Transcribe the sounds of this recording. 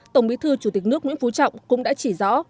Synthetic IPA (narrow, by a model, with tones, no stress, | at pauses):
t̪ə˧˩wŋ͡mɓi˨˦t̪ʰɨ˧t͡ɕu˧˩t̪i˨˩k̟̚nɨ˦˥əkɲɨ̰˧˥ŋfu˨˦t͡ɕɔ̰˧˨wŋ͡mkʊ̰˧˥ŋ͡mɗa̰ː˧˥t͡ɕi˧˩zɔ̰˧˥